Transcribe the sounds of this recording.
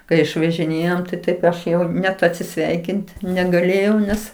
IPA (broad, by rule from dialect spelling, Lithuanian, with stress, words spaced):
kɐɪ ɪʃʋɐʒʲɪˈnʲeːjoːm tɐɪ ˈtɐɪp ˈɐʃ ˈjɛʊ nʲɛt ɐtʲsʲɪˈsʲʋʲɛɪkʲɪnt nʲɛɡɐˈlʲeːjɛʊ ˈnʲɛs